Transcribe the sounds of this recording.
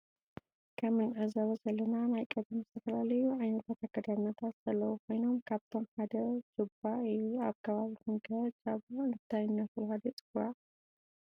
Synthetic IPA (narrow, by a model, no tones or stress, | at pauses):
kʰɐmɨnʕɨzɐβɐzɐlːɐnanajkʼɐd̪ɐmzɨt̪ʰɐfɐlalɐjuʕajnɐt̪ʰat̪ʰaɡɐd̪aɾnɐt̪ʰat̪z̥ɐlːɐwukʰo̞jno̞mkʰaβt̪ʰo̞mħad̪ɐɾt͡ʃʼɨbaɨjuaβkʰɐβaβikunɡɐt͡ʃʼaβɨɨnɨt̪ʰajɪnːɐt̪ɨlhad̪it͡sʼɨɡa